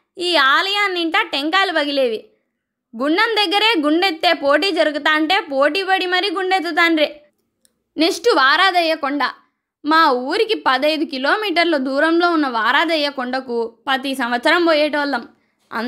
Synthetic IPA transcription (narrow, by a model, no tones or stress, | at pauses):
iːaːlɐjaːnːiɳʈaːʈeŋkaːlubɐɡileːʋi | ɡuɳːɐmd̪ɐɡːɐɾe̞ːɡuɳɖet̪ːe̞ːpo̞ːʈ̬iːd͡ʒɐɾuɡut̪aːɐɳʈe̞ːpo̞ːʈiːbɐɽimɐɾiɡuɳɖet̪̬ːut̪̬aːnɾeː | neʂʈuʋaːɾaːd̪ɐjːɐkɔɳɖaː | maːuːɾikipɐd̪ɐjd̪ukilo̞ːmiːʈ̬ɐɾlɐd̪uːɾɐmlo̞ːunːɐʋaːɾaːd̪ɐjːɐkɔɳɖɐkupɐt̪isɐmʋɐt̪sɐɾɐmboːjeːʈʋɐlːɐm | ɐ̰n